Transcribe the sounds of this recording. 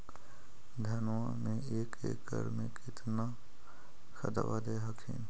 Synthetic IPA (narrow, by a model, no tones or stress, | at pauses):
d̪ʱənwamẽeːkḛkə̰ɾmẽkɪt̪na | kə̰d̪ə̰ʋad̪eɦəkʰḛ̃ːn